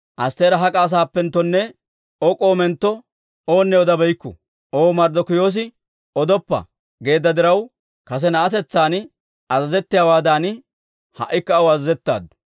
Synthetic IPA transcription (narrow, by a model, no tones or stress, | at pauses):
ʔɐst̪e̞ːɾɐɦɐkʼaːs̬aːpːɛnt̪ːɔnːɛ | ɔkʼoːmɛnt̪ːɔ | o̞ːnːɛɔd̪ɐbɛjkːʊ̰ | o̞ːmɐɾd̪ɔkʊjo̞ːs̬ɪ | ɔd̪ɔpːɐ̰ | ɡe̞ːd̪ːɐd̪ɪɾɐw | kɐs̬ɛnɐʔɐt̪ɛt͡sːaːnɪ | ɐzɐzɛt̪ːɪjaːwaːd̪aːnɪ | hɐ̰ʔːɪkːɐɐwɐzɐzɛt̪ːa̰ːd̪ːʊ̥